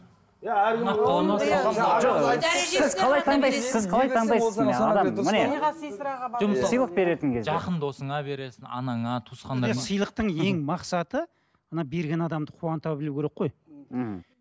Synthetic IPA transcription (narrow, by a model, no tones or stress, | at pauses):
nɑɑlˠɑmɑsʒoqsɪzqʰɑlˠɑjt̪ʰɑɴd̪ɑjsəzsɪzqʰɑlˠɑj̪ʰɑɴd̪ɑjsəzɪnɑd̪ɑmmɪne | ʒmsəjlˠəq̚be̞ɾe̞t̪ɪŋkʲʰe̞zʒɑeqənd̪o̞səɴɑbe̞ɾe̞sɪnɑ̰nɑɴɑt̪ʰusqɑnd̪ɑesəjlˠəq̚t̪əɴe̞ŋmɑqsɑt̪ə | ɑnɑbe̞ɾɡʲe̞nɑd̪ɑmd̪əqʰuɑnt̪ɑwbɪlukʲʰeɾeqːo̞j̩h̩